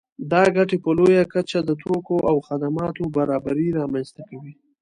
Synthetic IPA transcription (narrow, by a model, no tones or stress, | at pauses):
d̪ɑɡaʈepəlojakat͡ʃad̪ət̪ʰokoʔawxad̪amɑt̪obaɾɑbaɾiɾɑmanst̪akawi